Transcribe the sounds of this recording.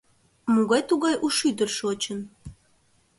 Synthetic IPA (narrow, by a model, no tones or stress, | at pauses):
muɣɑjt̪uɣɑjʔuʃyd̪ərʃot͡ɕən